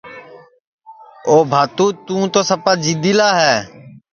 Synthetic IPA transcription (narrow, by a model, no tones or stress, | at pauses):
oːbʱaːt̪uːt̪ũːt̪oːsəpaːd͡ʒid̪iːlaːɦɛː